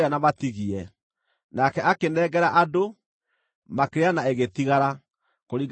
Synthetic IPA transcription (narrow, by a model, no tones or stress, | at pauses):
anamatiɣiɛ | nakɛʔakenɛːɡɛɾaʔado | makeɾeanaeɣet̪iɣaɾa | koɾiɡ